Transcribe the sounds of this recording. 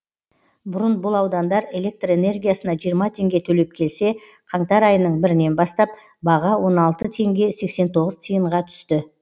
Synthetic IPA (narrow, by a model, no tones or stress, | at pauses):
bʊɾənbʊlˠɑwd̪ɑnd̪ɑɾe̞le̞k̚t̪re̞ne̞rɡʲijasənɑʒijəɾmɑt̪ʰe̞ŋɡʲe̞t̪ʰɵle̞p̚kʲʰe̞lse̞ | qʰɑɴt̪ɑɾɑjənəɴbɪɾɪne̞nbɑst̪ɑp̚ | bɑʁɑwo̞nɑlˠt̪ət̪ʰe̞ŋɡʲe̞se̞kse̞nt̪ʰo̞ʁəzt̪ʰijəɴʁɑt̪ʰʏ̥st̪ɪ